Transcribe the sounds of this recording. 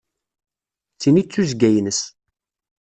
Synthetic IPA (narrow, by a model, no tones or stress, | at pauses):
t͡sːinit͡sːuzɡæjnəs